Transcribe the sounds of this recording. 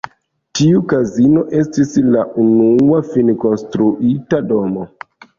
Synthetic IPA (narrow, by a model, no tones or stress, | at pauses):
tiukazino̞ʔe̞stislaʔunuafinko̞nstɾuʔitado̞mo